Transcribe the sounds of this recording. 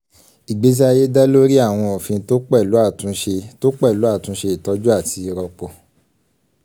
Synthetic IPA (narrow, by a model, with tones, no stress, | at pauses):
i˨ɡ͡be˨˦s̬i˦a˧je˦da˦lo˦ɾi˦a˦˨w̃ɔ̃˧o˨fĩ˧˦to˦k͡pɛ˦˨lu˨˦a˦˨tũ˨˦ʃe˧to˦k͡pɛ˦˨lu˨˦a˦˨tũ˨˧˦ʃe˧i˨tɔ˧˦d͡ʒu˦a˦˨ti˧ɾɔ˧k͡pɔ˨